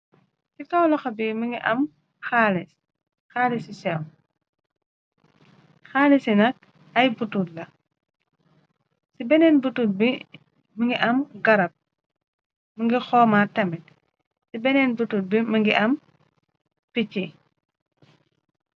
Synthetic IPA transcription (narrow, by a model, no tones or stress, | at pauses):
sikɐwlɐxɐbiməŋɡiʔɐm | xaːlis | xaːlisisɛw | xaːlisinɐk̚ | ɐjbututlɐ | sibɛnɛnbutul̚bi | məŋɡiʔɐmɡɐɾɐp̚ | məŋɡixɔːmaːtɐmit̚ | sibɛnɛːnbutul̚biməŋɡiʔɐm | picːi